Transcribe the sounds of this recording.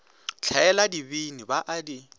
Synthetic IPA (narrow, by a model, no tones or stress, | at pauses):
t͡ɬʰaɛladibinibaʔadi